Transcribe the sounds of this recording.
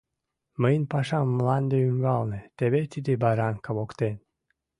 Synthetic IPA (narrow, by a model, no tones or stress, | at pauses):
məjnʲpɑʃɑmːlɑnd̪eyŋɡɑlˠnet̪eβet̪id̪ebɑɾɑŋkəβokt̪en